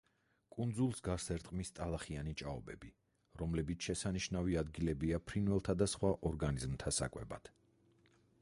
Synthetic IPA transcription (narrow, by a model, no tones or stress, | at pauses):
kʼund̪zulˠsɡasɛɾt̪ʼqʼmist̪ʼalˠaχianit͡ʃʼaɔbɛbi | ɾɔmlɛbit̪sʰʃɛsaniʃnaviad̪ɡilɛbiapʰɾinwɛlˠt̪ʰad̪asχwaʔɔɾɡanizmt̪ʰasa̰kʼwɛ̰bad̪̥